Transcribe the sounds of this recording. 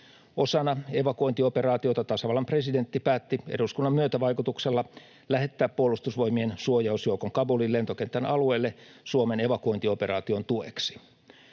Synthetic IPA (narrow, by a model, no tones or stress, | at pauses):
o̞sɑnɑe̞ʋɑkuo̞jnt̪iope̞ɾɑːt̪io̞t̪ɑt̪ɑsɑʋɑlɑmpre̞side̞nt̪ːipæːt̪ːiḛduskunːɑmːyøt̪æʋɑjkut̪ukselːɑ | læɦe̞t̪ːæːppuolːˑust̪usʋo̞jmiensuojɑusjoukoŋkɑbulille̞nt̪okent̪ːænɑlue̞ːlːe | suomene̞ʋɑkuo̞int̪iope̞rɑːt̪io̞nt̪uḛksi̥